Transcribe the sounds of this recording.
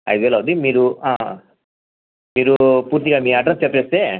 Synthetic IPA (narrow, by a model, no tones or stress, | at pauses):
ɐ̰jd̪eːlaund̪imiːɾuaː | miːɾupuːɾt̪iɡaːmiːɐʈ̬ɾɐnst͡ʃepːeːst̪eː